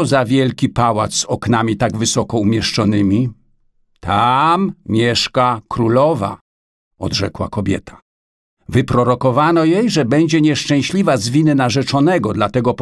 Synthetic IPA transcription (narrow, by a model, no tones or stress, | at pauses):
ɔzavʲjɛlkʲipawat̪szɔknamʲit̪aɡvɘsɔkɔumʲjɛʂt͡ʂɔn̪ɘmʲi | t̪ʰammʲjɛʂkakɾulɔva̰ | ɔ̰d̪ʐɛ̰kwa̰kɔbʲjɛ̰t̪ʰḁ | vɘpɾɔɾɔkɔvanɔjejʐɛbɛɲd͡ʑɛɲɛʂt͡ʂɛ̃w̃ɕlʲivazvʲinɘnaʐɛt͡ʂɔnɛɡɔd̪lat̪ɛɡɔp